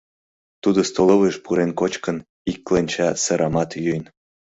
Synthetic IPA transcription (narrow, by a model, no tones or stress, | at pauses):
t̪ud̪ost̪oloβeʃpuɾenkot͡ɕkən | ikːlenʲt͡ɕɑsəɾʔɑmɑt̪jyjn